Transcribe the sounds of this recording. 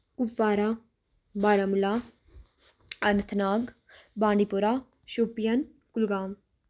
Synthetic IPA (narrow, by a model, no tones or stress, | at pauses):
kufːaːɾa | baːɾamula | ɐnt̪ʰnaːɡ | bãːɳɖipuɾaː | ʃuːpijɐn | kulɡaːm